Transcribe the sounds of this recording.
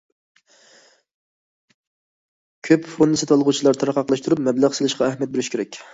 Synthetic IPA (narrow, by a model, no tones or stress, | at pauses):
kʲʰøpfonːɨsɪt̪ʰɑlˠʁut͡ʃʰilˠɑɾt̪ʰɑɾɑqɑqlˠɑʃt̪uɾupmɛblæʁselˠɨʃqʰɑæhmjɛt̪̚beɾyʃkʲʰeɾɛkʲ